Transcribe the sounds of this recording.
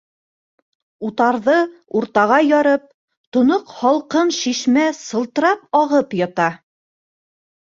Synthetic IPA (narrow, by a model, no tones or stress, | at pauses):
ut̪ɑɾðɤuɾt̪ɑʁɑjɑɾɤp̚ | t̪ŏnoqhɑlˠqɤnʃiʃmæsɤ̆lˠt̪ɤ̆ɾɑp̚ɑʁɤpjɑt̪ɑ